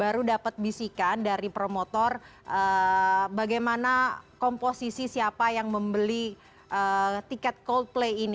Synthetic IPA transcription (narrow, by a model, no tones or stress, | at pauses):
baɾudapət̪̚bisikandaɾipɾomot̪ɔrʔəbaɡajmanakomposisisiapajaŋməmbəli | ʔət̪ikɛt̪̚kold̪̚plejini